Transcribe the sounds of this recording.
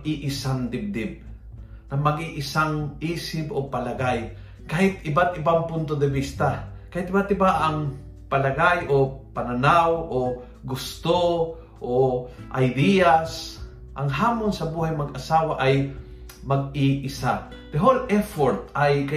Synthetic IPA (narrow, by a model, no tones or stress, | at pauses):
ʔɪʔɪsaŋd̪ɪb̚d̪ɪb̚ | nɐmɐɡɪʔɪsaŋʔiːsɪpʔopɐlɐɡaj | kaːhɪt̪ɪbat̪ɪbaŋpʊnt̪od̪ɛbist̪akaːhɪt̪̚ɪbat̪ɪbaʔɐŋ | pɐlɐɡajʔopɐnɐnawʔo | ɡʊst̪o | ʔoʔɐjd̪ijas | ʔɐŋɦaːmonsɐbuːhajmɐɡʔɐsaːwaʔaj | mɐɡ̚ɪʔɪsa | p̪ɛɦolʔɛfoɾt̪̚ajkɐ